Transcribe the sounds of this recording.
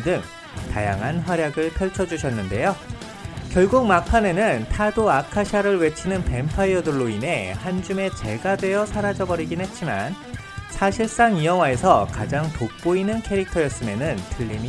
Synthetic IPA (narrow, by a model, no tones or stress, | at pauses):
dɯŋ | ta̰jaŋɦanɸwaɾjaɡɯɭpʰjʌɭt͡ɕʰʌd͡ʑuɕʰʌnːɯnde̞jo | kjʌɭɡuk̚makʰane̞nɯntʰadoakʰaɕʰaɾɯɭwe̞t͡ɕʰinɯnpe̞mpʰaiʌdɯɭːoinɦe̞hand͡ʑume̞t͡ɕe̞ɡadwe̞jʌsʰaɾad͡ʑʌbʌɾiɡinɦe̞t̚t͡ɕ͈iman | sʰaɕʰiɭs͈aŋiʌwae̞sʰʌkad͡ʑaŋtok̚p͈oinɯnkʰe̞ɾik̚tʰʌjʌs͈ɯmjʌnɯntɯʎːini